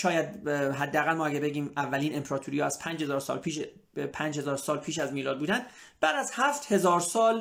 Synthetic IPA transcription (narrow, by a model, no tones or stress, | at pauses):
ʃɒːjæd̪ɦæd̪ːeæɣælmɒːæɟæbe̞ɟiːmævːæliːne̞mpʰeɾɒːt̪ʰuːɾiːjɒːæspʰænd͡ʒhezɒːɾsɒ̰ːlpʰiːʃ | pʰæːnd͡ʒhe̞zɒːɾsɒːlpʰiːʃæzmiːlɒːd̪buːd̪ænd̪ | b̥æd̪æzhæft̪he̞zɒːɾsɒːl